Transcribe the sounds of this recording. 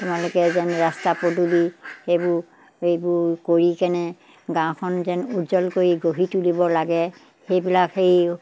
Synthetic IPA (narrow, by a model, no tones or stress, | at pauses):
tumalʊkɛzɛnɹastapodulixejbʊ | ejbʊɹkoɹikɛnɛ | ɡãw̃kʰɔnzɛnudzɔlkoɹiɡoɦitulibɔlaɡɛ | xejbilakej